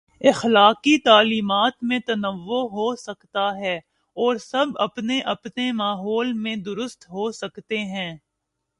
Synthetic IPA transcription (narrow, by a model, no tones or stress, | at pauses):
ɪxlaːqit̪aːliːmaːt̪mẽt̪ɐnəʋːoɦosɐkt̪aɦɛː | ɔːɾsɐbɐ̰pneʔɐpnemaːɦɔːlmẽd̪ʊɾʊst̪ɦosɐkt̪eɦɛ̃ː